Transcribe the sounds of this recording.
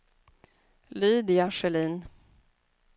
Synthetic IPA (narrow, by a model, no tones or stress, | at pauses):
lyːd̪ɪaʂɛliːn